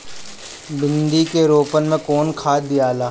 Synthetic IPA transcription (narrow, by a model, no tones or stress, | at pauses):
bɪ̃nd̪ikeɾoːpənmẽkoːnkʰaːd̪ɪjaːlaː